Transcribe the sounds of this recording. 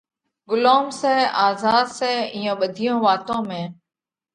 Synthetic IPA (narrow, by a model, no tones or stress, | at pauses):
ɡʊloːmsɛːaːzaːd̪sɛ̃ːɪːjõːɓəd̪ʱijõːʋaːt̪õːmẽː